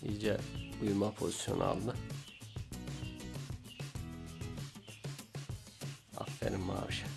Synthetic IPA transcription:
id͡ʒɛujmapʰo̞zisjo̞̰nʔa̰lˠd̪ɯ | a̰ffḛɾimma̰ːɾɯʃḁ

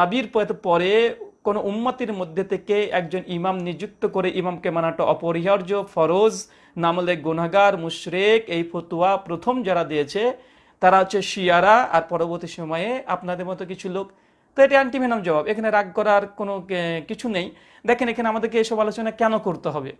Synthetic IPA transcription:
abiɾpɔt̪pɔɾekonoʔumːat̪iɾmod̪ʱːet̪ʰekeɛkd͡ʑonimamnid͡ʑuk̚t̪okoɾeʔimamkemanaʈaʔɔpoɾiɦaɾd͡ʑofʰɔɾod͡ʑ | namleɡonaɡaɾmuʃɾekejpʰot̪uwapɾot̪ʰomd͡ʑaɾad̪ejet͡ɕʰe | t̪aɾaɦotːɕʰeʃiaɾaa̰ɾpɔɾoboɾt̪iʃɔmɔeeapnad̪eɾmɔt̪ok̬it͡ɕʰulok | t̪oeʈiaɳʈibʱenamd͡ʑɔbabekʰaneɾaɡ̚kɔɾaɾkonokit͡ɕʰunej | d̪ɛkʰenekʰenamad̪eɾk̬eejʃɔbalot͡ɕonakɛnokoɾt̪eɦɔbe

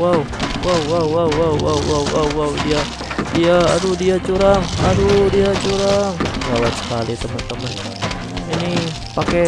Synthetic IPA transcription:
wau | wauwauwawwauwawawwauwaudia | diaadudiat͡ʃuɾaŋadudiat͡ʃuɾaŋlawat̪sə̥kalit̪əmənt̪əmənka | ini | pakɛ

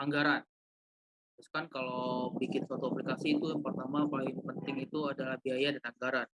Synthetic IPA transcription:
aŋɡaɾan | ɾʊskankalabikɪt̪swat̪uaplikasiːt̪ujaŋpərt̪amapalɪŋpənt̪ɪŋit̪uadalahbiajadanaŋɡaɾan

